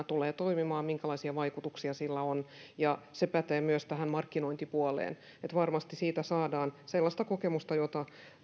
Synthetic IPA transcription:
t̪uleːt̪oimimɑːmiŋkælɑisiɑʋɑikut̪uksiɑsilːæonjɑsepæt̪eːmyøst̪æhæmmɑrkːinoint̪ipuɑlḛːn | et̪ʋɑrmɑst̪isiːt̪æsɑːdɑːnselːɑst̪ɑkokemust̪ɑjot̪ɑ

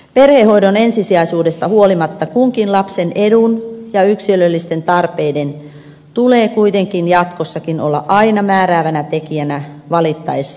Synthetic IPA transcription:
perhehoidonensisiɑisuːdest̪ɑhuolimɑt̪ːɑkuŋkinlɑpsenʔedunjɑyksilølːist̪ent̪ɑrpeiden | t̪uleːkuit̪eŋkinjɑt̪kosːɑkino̰lːɑ̰ʔɑinɑmæːɾæːʋænæt̪ekiænæ | ʋɑlit̪ːɑesːɑ̥

